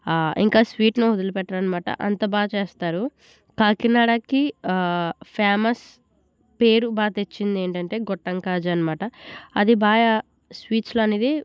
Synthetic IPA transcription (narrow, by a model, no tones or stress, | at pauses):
ḭŋkaːsʋiːʈnoːud̪ulɐpɛʈːɐɽɐnimaːʈɐ̰ʔɐnt̪ɐbaːt͡ʃeːst̪aːɾu | kaːkinaːɽɐki | pʰjaːmɐs | pe̞ːɾubaːt̪et͡ʃːind̪e̞ːɳʈɐɳʈe̞ːɡɔʈːɐŋkaːd͡ʒɐnɐmaːʈɐɐd̪ibaːja | sʋiːt͡ʃloɐniːd̪i